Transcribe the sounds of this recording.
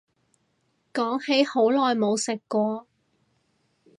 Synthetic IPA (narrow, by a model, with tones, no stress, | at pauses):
kɔː˨˥ŋhe˨˥jho˨˥wlɔː˨jmo˨˧wsɪ˨kːʷɔː˧